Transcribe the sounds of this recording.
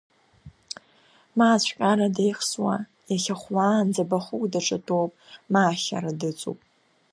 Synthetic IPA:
maːt͡ɕʷʰqʲʼaɾadejχswa | jaχʲaχʷwand͡zabaχʊkʷʼdaʈ͡ʂʼatʰʼowpʼmaːχʲa̰ɾadɨt͡sʷʼṵpʼ

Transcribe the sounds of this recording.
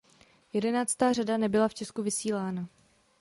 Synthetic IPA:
jɛdɛnaːt͡st̪aːradanɛbɪlaft͡ʃɛskuvɪsiːlaːna

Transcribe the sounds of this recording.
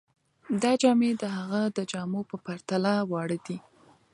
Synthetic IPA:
d̪ɑd͡ʒɑmed̪əɦaɣad̪əd͡ʒɑmopəpaɾt̪alawɑɽəd̪i

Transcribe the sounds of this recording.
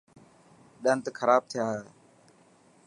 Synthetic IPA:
ɗaːnt̪əkʰəɾaːb̚t̪ʰɪjaː

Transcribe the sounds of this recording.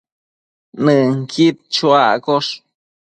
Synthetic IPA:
nɨŋkʰit̪̚t͡ʃwakoʂ

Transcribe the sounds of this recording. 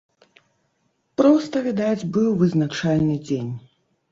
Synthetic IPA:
pɾɔst̪ɐvʲid̪ad͡zʲbɨwvɨznat͡ʂalʲnɨd͡zʲenʲ

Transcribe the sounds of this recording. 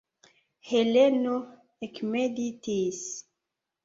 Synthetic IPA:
heleno | ekmeditʰis

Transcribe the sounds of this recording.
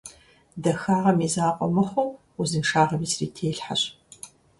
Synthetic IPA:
dɐxaːʁɐmiːzaːqʷʼɔmɨχʷʊw | ʊzɨnʂaːʁɐmiːsrḭːtʰeːɬħa̰ɕ

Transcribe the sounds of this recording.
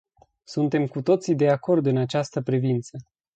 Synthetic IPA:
sunt̪e̞mkut̪o̞t̪sid̪e̞ako̞rd̪ɨnat͡ʃast̪əpɾivint̪sə

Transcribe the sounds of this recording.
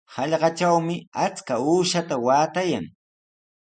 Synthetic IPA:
hɑʎɢɑt͡ʃawmɪat͡skauːʃat̪awaːt̪ajaŋ

